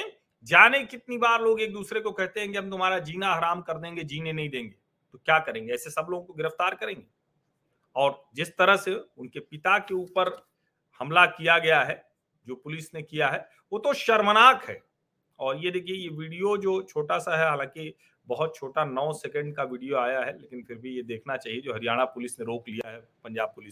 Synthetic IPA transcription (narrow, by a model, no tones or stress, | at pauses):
d͡ʒaːnekɪt̪nibaːɾloːɡeːk̚d̪uːsɾekokɛɦt̪eɦɛ̃ːŋɡeɦɐ̃mt̪ʊmaːɾad͡ʒiːnaaɦɾaːmkɐɾd̪ẽːŋɡed͡ʒiːnenɐɦĩd̪ẽːŋɡeː | t̪okjaːkɐɾẽːŋɡeɛːsesɐbloːɡõkoɡɪɾəft̪aːɾkɐɾẽːŋɡeː | ɔːɾd͡ʒɪst̪ɐɾəɦseʊnkepɪt̪akeuːpəɾ | hɐmlakijaɡɐjaɦɛː | d͡ʒoːpʊlɪsnekijaɦɛ | ʋoːt̪oʃɐɾmənaːkɦɛ̰ː | ɔːɾjed̪eːkʰiejeʋiːɖijod͡ʒoːt͡ʃʰoːʈasaɦɛɦaːlãːki | bɐɦʊt̪̚t͡ʃʰoːʈanɔːsɛkə̃ɳɖkaʋiːɖijoaːjaɦɛleːkɪnfɪɾbʱijed̪eːkʰnat͡ʃaːɦied͡ʒoːɦɐɾɪjaːɽ̃apʊlɪsneɾoːklijaɦɛpɐ̃ɲd͡ʒaːb̚pʊlɪs